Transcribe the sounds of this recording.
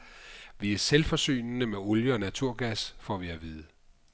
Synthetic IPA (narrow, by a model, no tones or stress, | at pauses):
ʋiæɐselfɒ̽sy̰ːnnəmeɔljəɒ̽næt͡sʰuɐ̰ɡ̥æsfɒ̰ʋiæʋiðˠə